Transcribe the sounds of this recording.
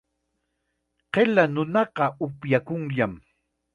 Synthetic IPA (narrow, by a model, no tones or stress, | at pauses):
qelanʊnɑqɑʊpjakʊŋʎam